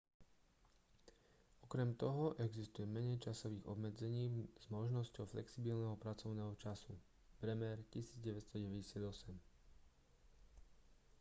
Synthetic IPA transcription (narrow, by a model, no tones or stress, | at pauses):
ɔkɾɛmt̪ɔɦɔʔɛɡzist̪ujɛmɛɲɛɪt͡ʃasɔʋiːɣɔ̰bmɛd͡zɛɲiːz̥mɔʒnɔscɔʊflɛ̰ksibilnɛɦɔpɾat͡sɔʊnɛːɦɔt͡ʃasu | pɾɛmɛɾcisiːd͡zɟɛʋɛt̪st̪ɔɟɛʋɛɟɛsɪad̪ɔsɛm